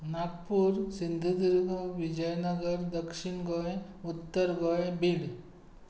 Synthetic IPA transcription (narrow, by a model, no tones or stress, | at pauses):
nakpuɾsind̪ʱud̪iɾɡoʋid͡ʒɐjnɐɡəɾd̪ɐkʂiɳɡɔjut̪ːəɾɡɔjbiɽ